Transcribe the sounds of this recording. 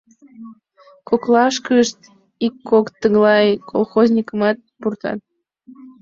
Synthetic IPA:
koklɑʃkəʃt̪ | ikːokt̪əɣlɑjkʰolˠxozʲnʲikəmɑt̪̚purt̪ɑ̰t̪̚

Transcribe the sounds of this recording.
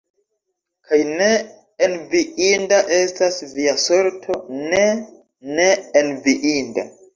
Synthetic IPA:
kʰajne | enviindaʔe̞stasviaso̞ɾtʰo̞ne̞ | ne̞ːnviʔinda̰

